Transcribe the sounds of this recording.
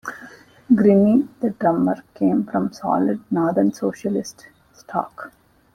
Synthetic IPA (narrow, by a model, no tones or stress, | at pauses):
ɡɾɪnid̪̥əɖɾʌ̃məɾkẽːmfɾɔ̃msɔ̰ːlɪɖ̚nɔːɾd̪əɾnsoːʃəlɪsʈ | sʈʰɔ̰ːk